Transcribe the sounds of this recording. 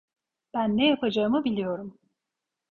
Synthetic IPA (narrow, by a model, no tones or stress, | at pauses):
b̥ænːejapʰad͡ʒaɯmɯbilʲijo̞ɾum